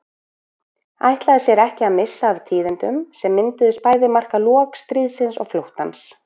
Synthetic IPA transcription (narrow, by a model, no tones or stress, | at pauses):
a̰jht̪laðɪsjɛɾɛhcɪaðmɪsːaːvt̪ʰiːðɪnt̪ʏmsɛmːɪnt̪ʏðʏspaːjðɪmar̥kalɔːkst̪ɾiːðsɪnsɔ̰ɣflowht̪a̰ns